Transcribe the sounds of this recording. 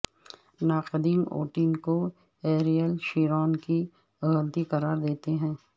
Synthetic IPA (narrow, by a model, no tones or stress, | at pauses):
naːqɪd̪iːno̰ːʈiːnko | eːɾijəlʃiːɾɔːnki | ɐɣənt̪iqɐɾaːɾd̪eːt̪eɦɛ̃ː